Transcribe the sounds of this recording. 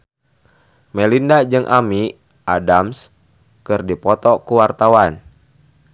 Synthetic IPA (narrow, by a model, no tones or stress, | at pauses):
mɛlindad͡ʒɨŋʔami | ʔadams | kɨrdipɔt̪ɔkuwart̪awan